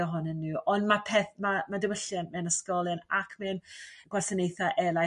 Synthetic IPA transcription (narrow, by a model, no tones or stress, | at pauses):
ɔɦʊnənːuːɔndmapʰɛθmamadɪwəɬjanmɛnəskɔlˠɨnakʰmɛnɡ̥wɛrsənejθaʔɛlˠa